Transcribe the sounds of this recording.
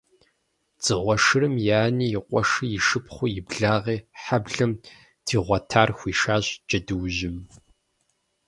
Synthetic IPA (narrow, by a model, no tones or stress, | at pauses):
t͡sʼɨʁʷɔʂɨrɨmjaːniːjɪqʷʼɔʂɨjɪʂɨpχʷʊjɪbɮaːʁiːħabɮɐm | tʰiːʁʷɐtʰaːrxʷiːʃaːɕd͡ʒʼɐdɨwʒɪm